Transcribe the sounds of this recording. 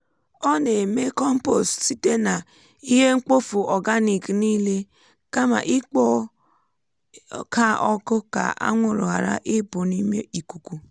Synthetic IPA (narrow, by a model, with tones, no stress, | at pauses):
ɔ˦ne˨me˦kɔ˦m̩˦po˨stsi˦te˦na˨ | i˦ɦe˦ŋ̩˦k͡po˦fu˨ɔ˨ɡa˦ni˨kniː˦le˦ | ka˦ma̰˨ʔɪ˦k͡pɔ˦ | kʰa˦ɔ˦kʊ˦ka̰˨ʔa̰˦ŋʷʊ˨ɾʊ̰˨a˨ɾa̰˦ʔɪ˦pʊ˨ni˦me˦i˨ku˨ku˨